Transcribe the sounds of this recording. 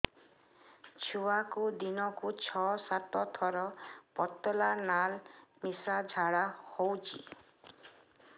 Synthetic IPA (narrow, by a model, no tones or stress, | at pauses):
t͡ʃʰuwakud̪inɔkut͡ʃʰɔsat̪ɔt̪ʰɔɾɔpɔt̪ːɔlanalmisad͡ʒʱaɽahowt͡ʃʰḭ